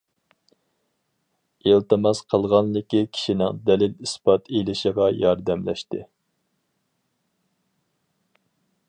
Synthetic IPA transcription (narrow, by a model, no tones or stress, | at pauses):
elt̪ɨmɑsqʰəlˠʁɑnlɪkʲikʲʰi̥ʃinɪ̰ŋd̪ɛlɪlispɑt̪ʰelɪʃɪʁɑjɑɾd̪ɛmlɛ̰ʃt̪ɪ